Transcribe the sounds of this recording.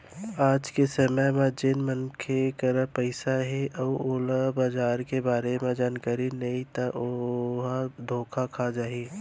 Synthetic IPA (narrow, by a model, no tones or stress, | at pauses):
aːd͡ʒkesəməjmãd͡ʒɪnmənkʰekɐɾapəɪsaɦɛʔɔːoːlabaːd͡ʒaːɾkebaːɾemẽd͡ʒaːnkaːɾinɐĩt̪aʔɦad̪ʱoːkʰakʰad͡ʒaːi